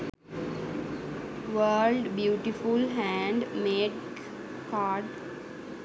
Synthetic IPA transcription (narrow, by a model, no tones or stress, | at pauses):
ʋəːlɖbjuːʈifulɦæ̃ɳɖmeːʈ | kaːɖ